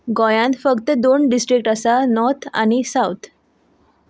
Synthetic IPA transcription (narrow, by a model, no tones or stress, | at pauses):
ɡɔjãnt̪fəkt̪əd̪onɖisʈɾikʈəsanɔɾt̪ʰa̰ɽ̃isawt̪ʰ